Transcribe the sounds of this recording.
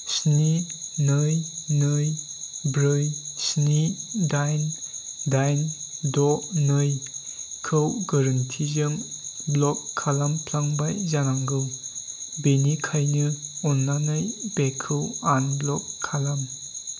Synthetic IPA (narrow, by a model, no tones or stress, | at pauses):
sninɯjnɯjbɾɯjsnidajndajndɔnɯjkʰɯwɡaɾɯntʰizɯmblɔkʰːalampʰlaŋbajzanaŋɡɯw | benikʰajnɯɔnːanɯjbekʰɯwanblɔkʰːalam